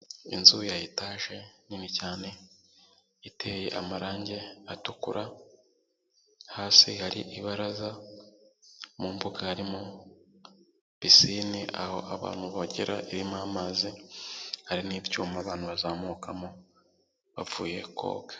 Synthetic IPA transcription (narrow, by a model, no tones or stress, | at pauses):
ḭnzujajitaːʒe̞nimicaːne̞ | itʰe̞ːje̞ʔamaɾaːɲɟe̞atukṵɾʔa | haːsihaɾḭʔiβaɾaza | muːmbuɡahaɾimo | β̥isiːniʔa̰ho̞̰ʔaβa̰ːn̥huβaɟiɾa̰ʔiɾimamaːzi | haɾiniːvjuːmaːβaːnhuβazaːmukamo | βa̰vuːje̞̰kʰo̞̰ːɡḁ